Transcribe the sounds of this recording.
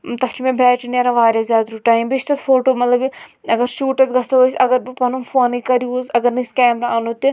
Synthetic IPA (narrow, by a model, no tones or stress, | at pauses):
t̪ɐkʰt͡ʃʰimẽbʱɛːʈinɐɾaʋaːɾʲjazʲjaːd̪ɾuʈaːĩbit͡ʃt̪ɐt̪fʰoːʈoːmɐt̪lɐbɐɡɐɾʃuːʈɐsɡʱɐst̪oɦosɐɡɐɾbipɐnumfoːnikɐɾiuːzɐɡɐɾnɐskɛːmɾaaːnot̪ːi